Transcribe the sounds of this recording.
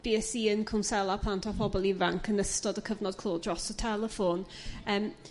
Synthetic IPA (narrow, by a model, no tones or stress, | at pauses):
b̥iːɛsiːənkʰʊnsɛlˠapʰlˠantʰapʰɔbɔlˠivaŋkʰənəstɔdəkʰəvnɔd̚kʰlˠoːdrɔsɔtʰɛlˠəfon | əːm